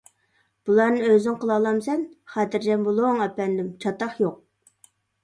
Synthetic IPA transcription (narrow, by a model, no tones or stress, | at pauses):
b̥ulˠɑɾnɨnøzɪnqʰəlˠɑlˠɑmsɛnχæt̪ɪɾd͡ʒɛmbulˠoŋɛpɛnd̪ɪmt͡ʃʰɑt̪ɑχjoq̚